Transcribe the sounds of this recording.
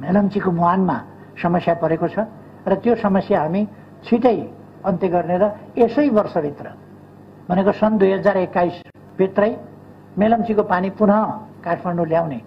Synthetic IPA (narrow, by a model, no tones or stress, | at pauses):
melʌmt͡sikomuanma | sʌmʌsjapʌɾekot͡sʰʌ | rʌt̪josʌmʌsjaɦami | t͡sʰiʈʌj | ʌnt̪eɡʌrneɾʌesʌjbʌrsʌbʱit̪rʌ | bʱʌnekosʌnd̪ujɦʌd͡zarekːajs | bʱit̪rʌj | melʌmt͡sikopanipunɦʌkarpʰʌnɳɖuljawne